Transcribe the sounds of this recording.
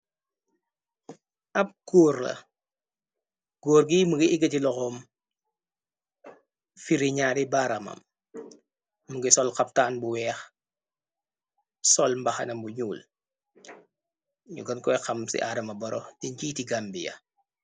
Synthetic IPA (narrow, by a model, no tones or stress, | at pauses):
ɐp̚kuːrlɐ̰ | ɡ̥ɔːɾɡiːmuɡiʔiɡɐtilɔxɔm | fiɾiɲaːɾibaːɾɐmɐ̰m | uɡisɔlkɐp̚taːnbuwɛːx | sɔlmbɐxɐ̰nɐmbuɲuːl | ɲuɡɐnkɔjxɐmsḭʔaːdɐmɐbɔɾʔɔdiɲɟiːtiɡambijɐ̰